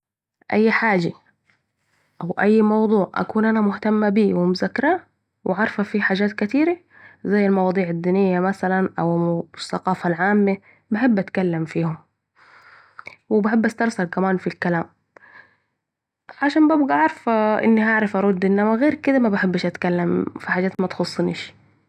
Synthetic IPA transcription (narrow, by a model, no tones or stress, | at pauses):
ʔajːħaːd͡ʒa | ʔawʔajːmɑwd̪ˤuːʕʔa̰kuːnʔanamʊht̪amːabiːwɪmʊzakɾˤaː | wʔɪʕɑɾˤfafiħaːd͡ʒaːt̪kɪt̪iːɾa | zajːalmɑwɑːd̪ˤiːʕad̪ːiːnɪjːamasalanʔawsːɑqɑːfalʕaːmːe | baħɪbːʔat̪kalːamfiːhʊm | wɪbaħɪbːʔast̪ɑɾˤsɑɾkamaːnfilkalaːm | ʕaʃaːnbabɡaʔɑɾˤɑfʔɪ̰nːiɦaʕɾˤɑfʔɑɾˤʊd̪ːʔɪnːamaɣeːɾkɪd̪amabaħɪbːɪʃʔat̪kalːamfiħaːd͡ʒːaːt̪mat̪xʊsˤːniːʃ